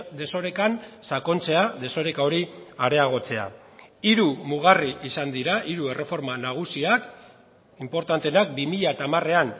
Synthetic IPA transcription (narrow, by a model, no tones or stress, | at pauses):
d̪e̞so̞ɾe̞kansako̞nt͡se̞aðe̞so̞ɾe̞kao̞ɾiaɾe̞aɣ̞o̞t͡se̞a̰ | iɾumuɣ̞ariʔisand̪iɾaʔiɾuere̞fo̞ɾmanaɣ̞usiak | impo̞ɾt̪ant̪e̞nak̚bimiʎat̪amare̞an